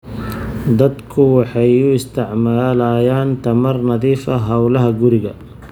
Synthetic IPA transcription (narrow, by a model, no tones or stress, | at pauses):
d̪ɐd̪kʰʊwɑħɑjʊɪst̪ʰɪʕmaːlaːjaːnt̪ʰɐmɐrnɐðiːfɐɦɐwlɐɦɐɡʊɾɪɣɐ